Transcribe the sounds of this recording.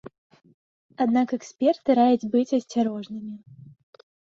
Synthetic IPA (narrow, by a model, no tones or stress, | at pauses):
ad̪nakɛksʲpʲɛrt̪ɨɾajud͡zʲbɨt͡sʲɐsʲt͡sʲaɾɔʐnɨmʲi